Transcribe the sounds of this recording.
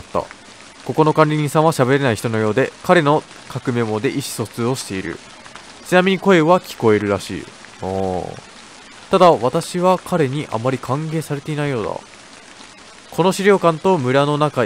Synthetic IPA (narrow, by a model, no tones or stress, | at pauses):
t̪ːa̰ | ko̞ko̞no̞kãnʲɾʲiɲʲĩsãɰ̃βaɕabe̞ɾe̞naiçi̥t̪ono̞jo̞ːd̪e̞kaɾe̞no̞ | kakɯ̟me̞mo̞d̪e̞ʔiɕi̥so̞t͡sɨo̞ɕi̥t̪e̞iɾɯ̰ | t͡ɕinamʲiɲ̟iko̞e̞βakʲi̥ko̞e̞ɾɯ̟ɾaɕḭː | o̰ | t̪ad̪aβat̪aɕiβakʰaɾe̞ɲ̟iʔa̰mːaɾʲikʰãŋɡe̞ːsaɾe̞t̪e̞inaijo̞ːd̪a̰ | kʰo̞no̞ɕiɾʲo̞ːkãnt̪o̞mɯ̟ɾano̞naka